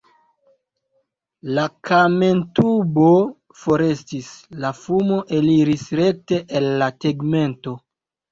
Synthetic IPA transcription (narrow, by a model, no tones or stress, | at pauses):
lakʰame̞ntubo̞ | fo̞ɾe̞stislafumoʔeliɾisɾe̞k̚te̞ʔelːateɡme̞nto̞